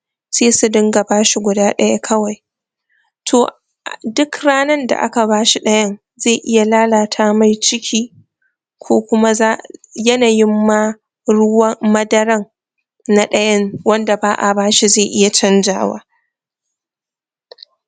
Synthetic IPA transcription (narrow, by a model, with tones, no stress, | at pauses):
seː˦su˨dɪ˦ŋɡa˨baː˦ʃi˦ɡʷʊ˨daː˦ɗɐ˦ja˦kʰɐ˦wa˨j | tʰoː˨ | dʊ˦kɽaː˦nɐ˦nda̰˨ʔa̰˦ka˨baː˦ʃi˦ɗɐ˦jɐ˦n | ze˦˨ʔɪ˦ja˨laː˦laː˨tʰaː˦ma˨jt͡ʃɪ˦kʲʰiː˦ | kʷʰoː˦kʷʊ˦ma˦za˦jɐ˦na˨jɪ˦mːa˦ | ɽʊ˦wɐ˦mɐ˦dɐ˦ɾɐ˦ŋ | na˨ɗɐ˦jɐ˦nwɐ˦nda˨baː˦ʔa˨baː˦ʃi˦zeː˦˨ʔɪ˦ja˨t͡ʃɐ˦nd͡ʒa̰ː˨˦wa̰ː˦